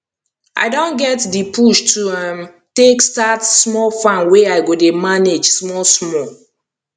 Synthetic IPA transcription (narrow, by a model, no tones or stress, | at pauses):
ʔa̰ɪdõnɡɛtdipʰuʃtʰuãm | tekstatsmɔlfãnweaɪɡodemaned͡ʒsmɔlsmɔl